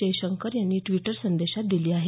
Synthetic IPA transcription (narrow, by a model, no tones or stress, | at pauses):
eɕəŋkəɾjanːiːʈʋiʈəɾsənd̪eɕat̪̚d̪iliːaɦe